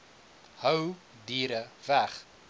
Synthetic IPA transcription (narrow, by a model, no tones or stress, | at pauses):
həw | diːɾəvæχ